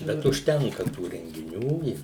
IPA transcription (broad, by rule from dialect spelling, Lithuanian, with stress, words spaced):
ˈbʲɛt ʊʃʲˈtʲɛŋkɐ tuː rʲɛŋʲɡʲɪˈnʲuː ɪ